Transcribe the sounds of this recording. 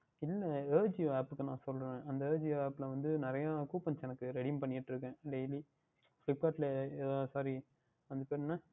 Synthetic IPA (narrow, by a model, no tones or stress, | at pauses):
ɪlːɐeːɾd͡ʒiaːpɯkːɯnãːsɔlɾẽːɐnd̪ɐeːd͡ʒiaːpːɪlɐʋɐnd̪ɯnɪɾɐjakuːpːɐnt͡ʃɛnɐkːɯɾɛɽimpɐɳːɪɪʈːɪɾɯkːẽːɖɛɪli | flɪp̚ːkaːʈlɐɛːðaːsaːɾi | ɐnd̪ɯpeːɾnːaː